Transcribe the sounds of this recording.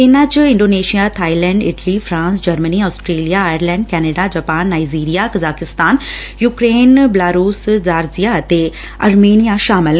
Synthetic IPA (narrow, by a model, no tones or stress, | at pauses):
ɪnãt͡ʃɪ̃ɳɖoːneːʃijat̪ʰaːilɛ̃ːɳɖɪ̰ʈlifɾãːnsd͡ʒɐɾməniɔːsʈɾeːlijaːjəɾlɛ̃ːɳɖkɛːneɖad͡ʒɐːpaːnːaːiziːɾijakɐzaːkɪst̪aːn | juːkɾeːnbɪlaːɾuːszaːɾzijaɐt̪e | ɐɾmeːnijaʃaːmɪl